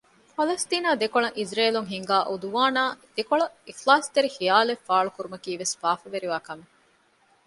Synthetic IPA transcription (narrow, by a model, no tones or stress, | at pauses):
pɐlɐst̪iːnaːd̪ekoɭɐŋʔizɾeːluŋɦiŋɡaːʔod̪uʋaːnaːd̪̥ekoɭɐixlaːst̪eɾixijaːlefːaːɭukuɾumɐkiːʋesfaːfɐʋeɾiʋaːkɐme